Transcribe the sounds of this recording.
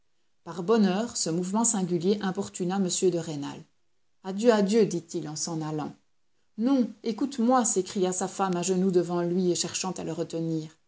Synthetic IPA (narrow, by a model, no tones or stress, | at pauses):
paʁbɔnœːʁsəmuvmɑ̃sɛ̃ɡʲyljeʔɛ̃pɔʁt̪ynaməsjød̪əʁena̰l | ad̪jøad̪jød̪it̪ilɑ̃sɑ̃nalɑ̰̃ | nɔ̃ekut̪mwasekχijasafamaʒənud̪əvɑ̃lɥieʃɛʁʃɑ̃t̪aləʁət̪əniːʁ